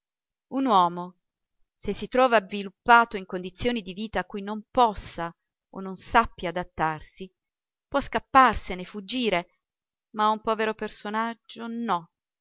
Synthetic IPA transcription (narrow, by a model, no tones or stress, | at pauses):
unwɔːmo | sesːit̪ɾɔːvavilupːaːt̪oiŋkond̪it̪sːjoːnid̪iviːt̪aːkːujnompɔsːa | o̰nːonsapːjaːd̪at̪ːarsi | pwɔskapːarsenefud͡ʒːiːɾe | maaumpɔːveɾopersonad͡ʒːonɔ